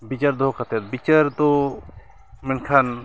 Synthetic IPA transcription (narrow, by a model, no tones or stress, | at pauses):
bit͡ʃaɾd̪ɔɦkʰat̪ɛɾbit͡ʃaɾd̪ɔ | mɛnkʰan